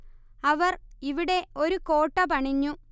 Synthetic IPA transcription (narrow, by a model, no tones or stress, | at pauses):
ɐʋɐriʋiɽe̞o̞ɾuko̞ːʈːɐpɐɳiɲːu